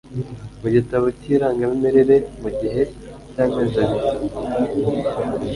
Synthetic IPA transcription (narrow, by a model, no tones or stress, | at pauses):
muɟitaβociːɾaːŋɡaβimiɾeɾemuɟiɦe̞ | caːmeːzaβita